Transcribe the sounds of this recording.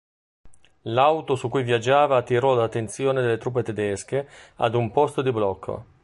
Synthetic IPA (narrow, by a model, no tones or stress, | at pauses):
lawt̪osukːujvjad͡ʒːaːvaːt̪ːiɾɔlat̪ːent̪sjoːned̪elːet̪ɾuːp̬ːet̪ed̪ɛsk̟ea̰d̪umpɔst̪od̪iblɔkʰːo̰